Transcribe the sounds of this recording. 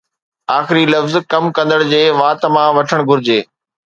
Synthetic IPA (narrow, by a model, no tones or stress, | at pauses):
aːxɪɾilɐfzkɐmkɐ̃nd̪əɽd͡ʑeːʋaːt̪mãʋɐʈʰəɽ̃ɡʱʊɾɪd͡ʑeː